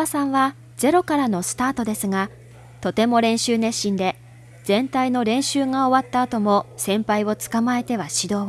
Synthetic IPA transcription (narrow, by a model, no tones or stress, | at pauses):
asãɰ̃βa | ze̞ɾo̞kaɾano̞sɨ̥t̪aːt̪o̞d̪e̞sɨŋa | t̪o̞t̪e̞mo̞ɾẽ̞ɰ̃ɕɨːnẽ̞ɕːĩnd̪e̞ | zẽ̞nt̪aino̞ɾẽ̞ɰ̃ɕɨːŋao̞βat̪ːaːt̪o̞mo̞sẽ̞mpaiβo̞t͡sɨ̥kamae̞t̪e̞βaɕid̪o̞ː